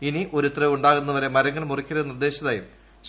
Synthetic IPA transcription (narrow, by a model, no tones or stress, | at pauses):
iniʔo̞ɾut̪ːrɐuɳɖaːɣunːɐʋɐɾe̞mɐɾɐŋːɐɭmurikʲːɐɾɐnird̪e̞ːɕɐðaːjum | ɕ